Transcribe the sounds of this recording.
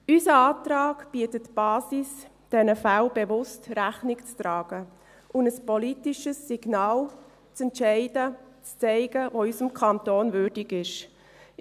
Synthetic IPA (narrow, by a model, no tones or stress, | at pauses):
ysəaːtɾaːɡb̥iətətb̥aːsis | d̥ɛnəfalbevʊstræχnɪkt͡stɾɑːɡ̥ə | ʔʊndəspɔlitiʃəsːiɡ̥naːl | t͡sɛntt͡ʃɛɪdət͡st͡sɛɪɡəʋoːysəmkʰɑntoːnvʏɾdɪɡɪʃ